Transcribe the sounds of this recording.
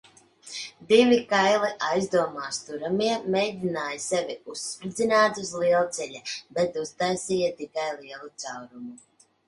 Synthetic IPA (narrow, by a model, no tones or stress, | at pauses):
d̪ivikajlˠiʔajzd̪uɔmaːst̪uɾamiɛmɛjd̪ʲinaːjasɛviusːpɾid̪zinaːt̪uzlˠiɛlˠt̪sɛʎʲabɛt̪ust̪ajsijat̪ikajlˠiɛlˠut̪sawɾumu